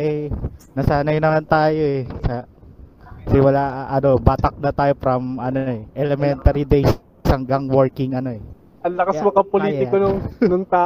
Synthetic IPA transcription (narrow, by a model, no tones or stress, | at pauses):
ʔɛnɐsaːnɐjnɐmant̪aːjo̞ʔɛsɐ | sɪmʊlaʔʔɐno̞baːt̪ɐk̚d̪ɐt̪aːjo̞fɾɐmʔɐnoʔɛʔɛlɛmɛnt̪ɐɾid̪ejs | shɐŋɡɐŋwoɹkɪŋɐno̞ʔɛ | ɐnlɐkɐsmɐkɐpoliːt̪ɪonʊŋnʊŋt̪aː